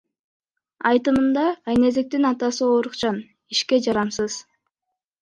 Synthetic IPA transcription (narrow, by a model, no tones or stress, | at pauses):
ɑjt̪ɯmɯnd̪ɑːjne̞zek̚t̪inɑt̪ɑsɯoɾuqt͡ʃɑn | iʃke̞d͡ʒɑɾɑmsɯz̥